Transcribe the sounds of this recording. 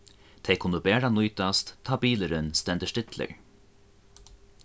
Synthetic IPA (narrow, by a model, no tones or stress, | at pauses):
t̪ʰɛjkʰʊnːəbɛːɹanʊjt̪ast̪ʰːɑːbiːləɾɪnst̪ɛnt̪əʂtɪt̪lə̰ɹ